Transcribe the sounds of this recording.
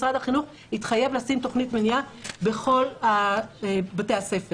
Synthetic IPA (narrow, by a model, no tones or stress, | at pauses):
sʁad̪haχinuχ | hit̪χaje̞vlasimt̪o̞χnit̪meniabeχo̞la | bate̞jase̞fe